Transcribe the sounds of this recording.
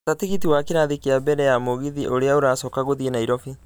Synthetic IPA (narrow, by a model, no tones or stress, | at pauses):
tatiɣitiwakeɾaðikeabɛɾɛjamoɣiðiʔoɾeaoɾaːsɔkaɣoðienaiɾɔfi